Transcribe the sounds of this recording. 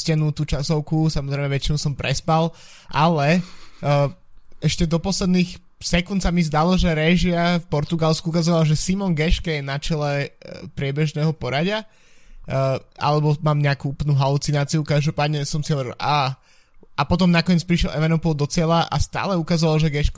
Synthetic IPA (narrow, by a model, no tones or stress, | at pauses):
cɛnut̪uːt͡ʃasɔʊkusamɔzɾɛɪmɛʋɛt͡ʃinusɔmpɾɛspal | ʔalɛ | ɛʃcɛd̪ɔpɔslɛd̪niːx | sɛkunt̪samizd̪alɔʒɛɾɛʒɪafpɔɾt̪uɡalskuukazɔʋalʒɛsimɔnɡɛʃkɛjɛnat͡ʃɛlɛpɾɪɛbɛʒnɛːɦɔpɔɾaɟɪa | ʔa̰lɛbɔmaːmɲɛakuːuplnuɦalut͡sinaːt͡siukaʒd̪ɔpaːd̪ɲɛsɔmsiɦɔʋɛɾɛʔa | ʔapɔt̪ɔmnakɔɲɛt͡spɾiʃjɛlʔɛ̰ʋanɔpɔlˠd̪ɔt͡sɪɛlaʔa̰st̪a̰ːlɛukazɔʋalʒɛɡɛʃk